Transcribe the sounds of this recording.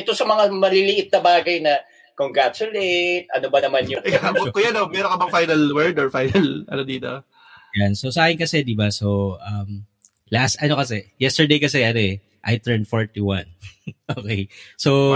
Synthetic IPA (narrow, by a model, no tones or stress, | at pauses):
ɛt̪o̞sɐmɐŋamɐlilɪʔɪt̪̚nɐbaːɡɐjnɐ | koŋɡɹat̪t͡ʃʊlejt̪̚ʔɐ̰nobɐnɐmanjʊɛkakakʊjanomɛːɾoŋkɐbɐŋfajnɐlwɛɹd̪oɹfajnɐlʔɐ̰nod̪iːt̪o | jansosɐʔaːkɪnkɐsɛd̪ibasoʔɐm | last̪ɐno̞kɐsɛjɛst̪ɛɹd̪ejkɐsɛʔɐnoɛ | ʔɐjt̪ɛɹnfoɹt̪iwanʔoːkejso